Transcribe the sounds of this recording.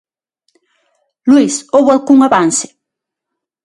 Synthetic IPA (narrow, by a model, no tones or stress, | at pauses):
lwisoβalkʊŋaβansɪ̥